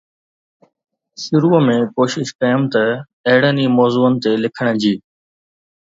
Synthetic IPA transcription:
sɪɾuːəmẽːkoːʃɪʃkaːjumt̪ə | eɦɪɽ̤əniːmɔːzuːənɪ̆t̪eːlɪkʰəɽ̃d͡ʑiː

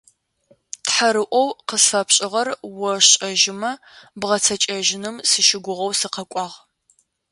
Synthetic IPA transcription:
tħaɾɨʔʷɔwqəsfɐpɕʼɪʁɐrwɔɕʼɐʒɪmɐ | bʁɐt͡sʰɐt͡ʃʼɐʒɪnɨmsɨʃɪɡʷʊʁɐwsɨqɐkʷʼɑːʁ

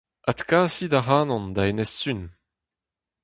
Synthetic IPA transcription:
at̪kaːsid̪aʁaːnɔ̃nd̪aenɛsːyn

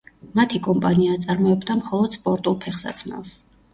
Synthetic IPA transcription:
mat̪ʰikʼɔmpʼaniat̪sʼaɾmɔɛbd̪amχɔlˠɔd̪̥spʼɔɾt̪ʼulˠpʰɛχsa̰t̪sʰmɛ̰lˠs

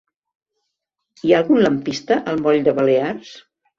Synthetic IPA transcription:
iaːlˠɣunləmpist̪əʔəlˠmɔʎd̪əβəlears

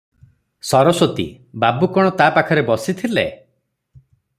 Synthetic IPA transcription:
sɔɾɔsot̪ḭ | babukɔɽ̃ɔt̪aːpakʰɔɾebɔsit̪ʰile

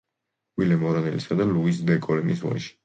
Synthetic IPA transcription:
wilɛmɔɾanɛ̰lisad̪aluis̬bɛkʼɔlɛmiswa̰ʃi̥

